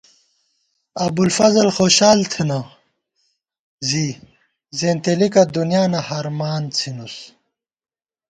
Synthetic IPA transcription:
ɐbulfɐzɐlxoːɕaːlt̪ʰena | zi | zeːnt̪elikɐd̪unijaːnɐhɐɾmaːnt͡sʰinus

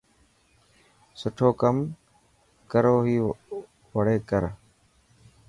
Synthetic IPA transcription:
sʊʈʰoːkəm | kəɾoːɦiː | ʋəɽeːkəɾ

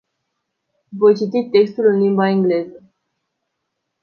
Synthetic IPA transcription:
vojt͡ʃit̪it̪ːe̞kst̪ulɨnlimbaiŋɡle̞zə

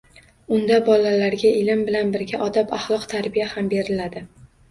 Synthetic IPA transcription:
ʊnd̪abɒlalaɾɡʲaɪlɪmbɪlanbɪɾɡʲaʔɒd̪apaχlˠɒqt̪ʰaɾbijahambe̞ɾɪlad̪ɪ

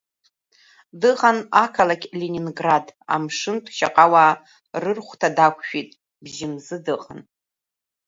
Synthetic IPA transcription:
dɨʁanakʰalakʲʼlenʲinɡrada̰mʂɨntʰʃa̰qʼawaː | rɨrχʷtʰadakʷʰʃᶣitʼ | bʒɪmzɨdɨqʼan

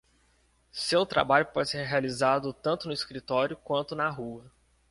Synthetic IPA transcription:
sewt̪ɾa̰baʎʊpɔd͡ʒɪseɾɦealizad̪ʊt̪ɐ̃nt̪ʊnʊiskɾit̪ɔɾjʊkwɐ̃nt̪ʊnɐɦuɐ

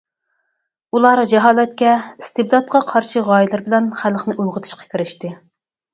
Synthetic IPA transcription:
ulˠɑːɾɑd͡ʒɛɦɑːlˠɛt̪kʲɛist̪ɨb̚d̪ɑt̪̚qʰɑqʰɑɾʃiʁɑːjilˠɨɾbɪlɛnχælˠχnɪʔulˠʁət̪ʰɨ̥ʃqʰɑ̥kʲʰiɾɪʃt̪ɪ

